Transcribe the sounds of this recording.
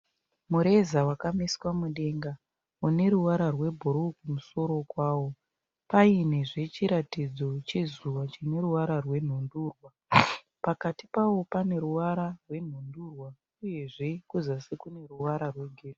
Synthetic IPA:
muɾe̞zawakamiswamuɗe̞ŋɡa | une̞ɾuwaɾarwe̞bʱoɾukumuso̞ɾo̞kwaːwo̞ | paine̞ʐe̞t͡ʃiɾatid͡zo̞t͡ʃezuʋat͡ʃine̞ɾuʋaɾarwe̞n̤onduːrwa | pakatipawo̞pane̞ɾuʋaɾarwe̞n̤ondurwa | uje̞ʐe̞kuzwasekune̞ruʋaɾarwe̞ɡʱere

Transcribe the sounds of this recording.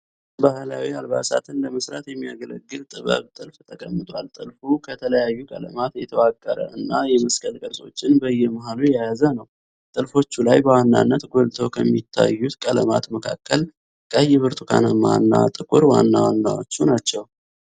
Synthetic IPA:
bahlawialba̰sa̰t̪ʰɨnləməsɾat̪jɛmːijaɡələɡːɨlt̪ʼɨβə̰βt̪ʼɨlft̪ʰəkʼəmːɨt̪ʼwalt̪ʼɨlfukʰət̪ʰələjajːukʼə̰lə̰mat̪jɛt̪ʰəwakʼːəɾə̰ʔɨnːajɛməskʼəlkʼəlsʼo̞̰t͡ʃːɪnbəjːɛmaɦalujajazənəw | t̪ʼɨlfo̞t͡ʃːulajbəwanːa̰nːət̪ɡo̞lt̪ʰowkʰəmːit̪ʰːa̰jːut̪kʼələmat̪məkʰakʰːəl | kʰʼəɨjːɛβɨɾt̪ʰʼukʰa̰nəmanːa̰t̪ʼɨkʼuɾwanːawanːawo̰t͡ʃːunat͡ʃːɛw

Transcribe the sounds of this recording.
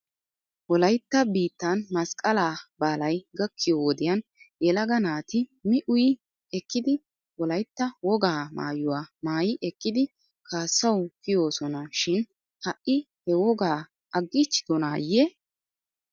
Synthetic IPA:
wɔlɐjt̪ːɐbiːt̪ːɐnmɐskʼɐlaːbaːlɐjɡɐkʰːɪjowɔd̪ɪjɐn | jʔɛlɐɡɐnaːt̪ɪmɪʔʊj | ɛkːɪd̪ɪ | wɔlɐjt̪ːɐwɔɡaːma̰ːjʊwaːmaːjɪʔɛkːɪd̪ɪ | kʰaːsːɐwkɪjo̞ːsɔnɐʃɪn | hɐʔːɪ | hɛwɔɡaː | ʔɐɡːɪt͡ʃːɪ̥d̪ɔnaːjːɛ

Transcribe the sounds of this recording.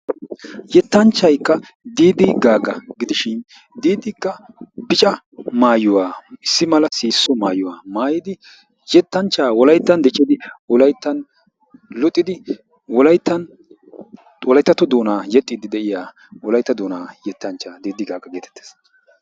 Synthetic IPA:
jɛt̪ːɐnt͡ʃːɐjkːɐ | d̪iːd̪ɪɡaːɡɐɡɪd̪ɪʃɪn | d̪iːd̪ɪkːɐ | bɪt͡ʃʼɐ | maːjʊwaːɪsːɪmɐlɐsiːsːɔmaːjʊwaːmaːjɪd̪ɪ | jɛt̪ːɐnt͡ʃːaːwɔlɐjt̪ːɐnd̪ɛt͡ʃʼːɪd̪ɪwɔlɐjt̪ːɐn | lɔt̪ʼːɪd̪ɪ | wɔlɐjt̪ːɐn | wɔlɐjt̪ːɐt̪ːɔd̪oːnaːjɛt̪ʼːɪd̪ɪd̪ɛʔɪjaː | wɔlɐjt̪ːɐd̪oːnaːjɛt̪ːɐnt͡ʃːaːd̪iːd̪ɪɡaːɡɐɡe̞ːt̪ɛ̥t̪ːe̥ːs

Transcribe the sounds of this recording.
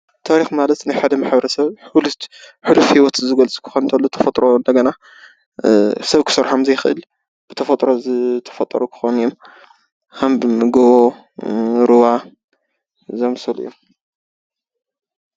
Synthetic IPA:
t̪ʰaɾixmalɐt̪najħad̪ɐmaħbɐɾɐsɐβulħulufhiwɔt̪ɨzɨɡɐlt͡sʼu̥kʰɨ̥xont̪ʰɐlːot̪ʰɐ̥fɐt̪ʼɾʔo̞nd̪ɐɡɐna | sɐβkʰɨ̥sɐɾħamzɐjɪxɨʔɨ̰l | b̥ɨt̪ʰɐfɐt̪ʼɾozɨt̪ʰɐ̥fɐt̪ʼːɐ̰ɾukʰɨ̥xonjom | kʰɐmbɡoβo | ɾɨwa | zɐmsɐlṵjom

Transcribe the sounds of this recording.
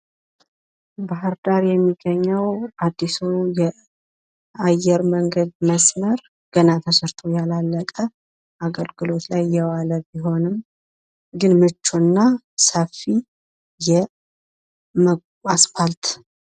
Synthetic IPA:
baɦɨɾd̪aɾjɛmːiɡəɲːəwad̪ːisujɛ | ajɛɾməŋɡəd̪məsməɾ | ɡ̥ənat̪ʰəsɨɾt̪ʰo̞jalalːəkʼə | aɡəlɡɨlo̞t̪lajːɛwaləbiɦo̞nɨm | ɡɨnmɨt͡ʃːuɨnːa | səfːi | jɛ | mə | asfalt̪

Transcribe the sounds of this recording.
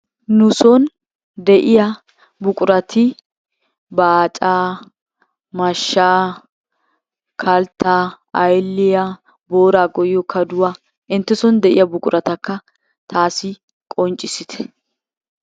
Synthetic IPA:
nʊsɔn | d̪ɛʔɪjɐ | bʊkʼʊɾɐt̪ʰɪ | baːt͡ʃʼaː | mɐʃːaː | kʰɐlt̪aː | ɐjlːɪjɐ | boːɾaːɡɔjːɔkʰɐd̪ʊwaː | ɪnt̪ːɛsɔnd̪ɛʔɪ̰jɐbʊkʼʊɾʔɐt̪ɐkːɐ | t̪aːsɪ | kʼɔnt͡ʃʼːɪsɪt̪ɛ̥

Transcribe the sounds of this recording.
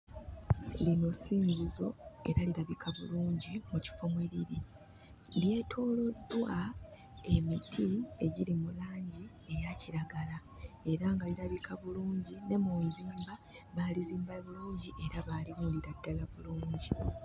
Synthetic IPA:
lino̞siːɲzizo̞ḛɾaliɾaβikʰaβuluːɲɟimuci̥fomweɾiɾi | lje̞ːtʰo̞ːlo̞dːwa | e̞mitʰieɟilimulaːɲɟi | e̞jaciɾaɡala | e̞ɾaːŋɡaliɾaβikʰaβuluːɲɟine̞muːnziːmba | βaːliziːmbaβuluːɲɟiʔe̞ɾaβaːlimuliɾadːalaβuluːɲɟi

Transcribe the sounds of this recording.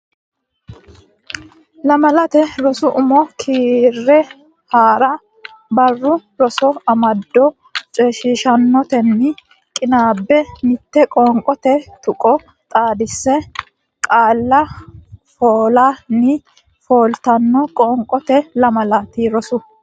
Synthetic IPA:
lɐmɐlɐt̪ɛɾɔsʊʔʊmɔkʰiːrːɛ | haːɾɐ | bɐrːʊɾɔsɔɐmɐd̪ːɔ | t͡ʃʼɛːʃiːʃɐnːɔt̪ɛnːɪ | kʼɪnaːbːɛmɪt̪ːɛkʼɔːŋkʼɔt̪ɛt̪ʊkʼɔ | t̪ʼaːd̪ɪsːɛ | kʼaːlːɐ | foːlaːnːɪ | foːlt̪ɐnːɔkʼɔːŋkʼɔt̪ɛlɐmɐlɐt̪ɪɾɔsʊ

